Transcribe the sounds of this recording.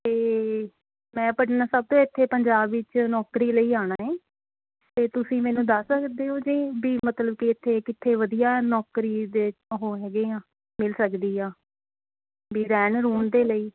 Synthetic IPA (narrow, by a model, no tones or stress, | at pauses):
t̪eː | mɛ̃ːpəʈnaːsəb̚t̪õːɪt̪ʰːeːpəɲd͡ʒaːbɪt͡ʃnɔːkɾiːləiːaːɽ̃aːɦɛ̃ː | t̪eːt̪ʊsĩːmɛ̃ːnũːd̪əsəkd̪eːɦoːd͡ʒẽːbiːmət̪ləb̚kiɪt̪ʰːeːkɪt̪ʰːeːʋəd̪ijaːnɔːkɾiːd̪eːɦoːɦɛːɡeːãː | mɪlsəkd̪iːɦaː | biːɾɛːnɾuːɳd̪eːləiː